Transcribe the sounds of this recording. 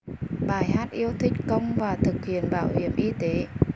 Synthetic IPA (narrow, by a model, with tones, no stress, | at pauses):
ɓaː˧˩jhaː˦˥t̚ʔi˧əwt̪ʰï˦˥k̟̚kə˧wŋ͡mvaː˨˩t̪ʰɨ˨˩k̚hḭ˧˨ənɓa̰ː˧˩whḭ˧˩əmʔi˧t̪e˨˦